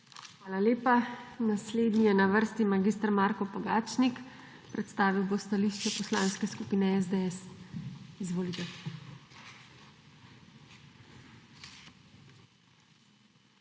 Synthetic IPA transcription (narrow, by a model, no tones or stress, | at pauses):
xʋaːlaleːpanasleːd̪nijɛnaʋəɾst̪imaɡist̪ɾmaːɾkɔpaɡaːt͡ʃnik | pɾɛt̪st̪aːʋiwbost̪aliʃt͡ʃɛpɔslaːnskɛskupiːnɛɛzd̪eɛs | izʋoːlit̪ɛ